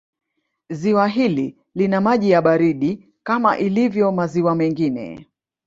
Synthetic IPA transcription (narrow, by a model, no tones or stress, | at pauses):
ziwaɦili | linamaʄijaɓaɾiɗi | kama̰ʔilivjɔmaziwamɛŋɡinɛ̰